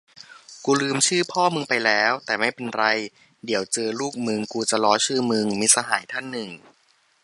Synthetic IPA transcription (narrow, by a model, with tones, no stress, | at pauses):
kuː˧lɯː˧mt͡ɕʰɯː˥˩pʰɔː˥˩mɯ˧ŋpa˧jlɛː˦˥wt̪ɛː˨˩ma˥˩jpe˧nɾa˧j | di˩˦əwt͡ɕɤː˧luː˥˩k̚mɯ˧ŋkuː˧t͡ɕa˨lɔː˦˥t͡ɕʰɯː˥˩mɯ˧ŋmiː˧˥sa˧ɦaː˩˦jt̪ʰa˥˩nːɯ˨˩ŋ